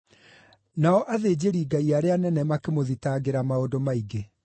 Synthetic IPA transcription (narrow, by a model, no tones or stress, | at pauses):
naɔʔaðed͡ʑeɾiːɡaiaɾeanɛnɛmakemoðitaɡeɾamaodomaiɡe